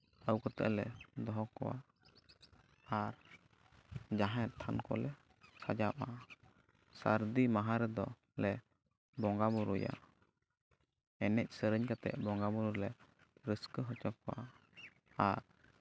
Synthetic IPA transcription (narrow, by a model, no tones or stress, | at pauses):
əwkɔt̪ɛ̰ʔlɛd̪ɔɦɔkɔ̰wa̰ | aɾ | d͡ʒaɦɛ̃ɾt̪ʰankɔ̰lɛ | kʰad͡ʒapa | saɾd̪imaɦaɾɛd̪ɔ | lɛ | bɔŋɡabuɾuja̰ | ɛnɛc̚ˀsəɾəɲkat̪ɛ̰ʔ̚bɔ̃ŋɡabuɾuɾlɛ | ɾəskəɦɔt͡ʃɔkɔwa̰ | aɾ